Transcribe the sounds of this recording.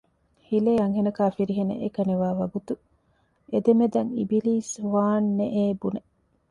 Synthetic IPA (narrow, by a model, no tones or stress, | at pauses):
hileːɐŋɦenɐkaːfiɾiɦenḛʔekɐneʋaːʋɐɡut̪u | ed̪emed̪ɐŋḭbiliːsʋaːnːeʔeːbune